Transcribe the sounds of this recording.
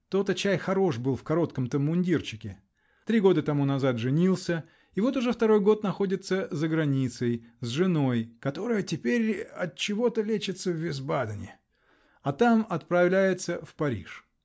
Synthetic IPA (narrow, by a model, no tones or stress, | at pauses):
t̪o̞t̪ət͡ɕæjxɐɾo̞ʂbɨlˠfkɐɾo̞t̪kəmt̪əmːʊnʲdʲirt͡ɕɪkʲɪ | t̪ɾʲiɡo̞d̪ət̪ɐmunɐzat̪ʐɨnʲilˠsʲə | ɪvo̞t̪ʊʐɛft̪ɐɾo̞jɡo̞t̪nɐxo̞dʲɪt̪səzəɡɾɐnʲit̪səjzʐɨno̞jkɐt̪o̞ɾɨjətʲɪpʲeɾʲɐt̪̚t͡ɕɪvo̞t̪əlʲet͡ɕɪt̪səvːʲɪzbad̪ənʲɪ | ɐt̪amɐt̪̚pɾɐvlʲæjɪt̪səfpɐɾʲḭʂ